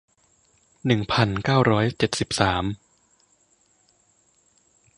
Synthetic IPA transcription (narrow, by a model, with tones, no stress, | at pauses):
nɯ˨˩ŋpʰa˨˩nkaː˥˩wɾɔː˦˥jt͡ɕe˨˩t̪̚si˨˩p̚saː˩˦m